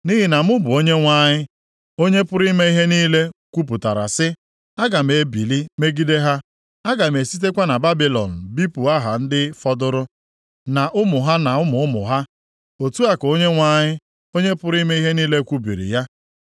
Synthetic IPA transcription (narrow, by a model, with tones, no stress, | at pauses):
ni˦ɦɪ˨na˨mʊ˦bʊ˨o˦ɲe˦ŋʷa˦ɲɪ˦ | o˦ɲe˦pʊ˦ɾi˦me˦i˦ɦe˦niː˦le˦kʷu˦p̬ʊ˨ta̰˨ɾa̰˨sɪ˦ | a˦ɡa˨m̩e˨˦bi˨li˦me˦ɡi˦de˦ɦa˦ | a˦ɡa˨m̩e˨si˦t̬e˦kʷa˦na˨ba˦bi˨lɔ̰˨n̩˨bi˦pu˨a˦ɦa˨n̩˦dɪ˦fɔ˦dʊ˦ɾʊ˦ | na˨ʔʊ˦mʊ˨ɦa˦na˨ʊ˦mʊ˨˦mʊ̰˨ɦa˦ | o˨tu˦a˦ko˦ɲe˦ŋʷa˦ɲɪ˦ | o˦ɲe˦pʊ˦ɾi˦me˦i˦ɦe˦niː˦le˦kʷu˦bḭ˨ɾḭ˨ja˦